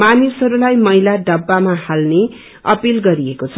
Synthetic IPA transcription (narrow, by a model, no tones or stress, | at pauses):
manisɦʌɾulajmʌjlaɖʌbːamahalne | ʌ̰pilɡʌɾiekot͡sʰʌ